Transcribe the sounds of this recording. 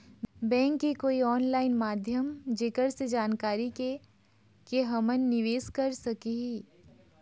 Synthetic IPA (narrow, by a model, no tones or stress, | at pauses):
bɛ̃ːŋkːikoːiɔːnlaːɪnmaːd̪ʱjəmd͡ʒeːkəɾsed͡ʒaːnkaːɾike | keɦɐmənːɪʋeːskɐɾsɐkiɦi